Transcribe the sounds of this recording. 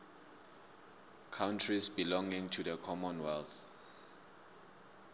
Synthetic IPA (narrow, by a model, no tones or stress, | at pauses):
kʰawntʰɹisbilɔ̃ŋĩŋtʰuðəkʰɔmɔ̃nwɛlθ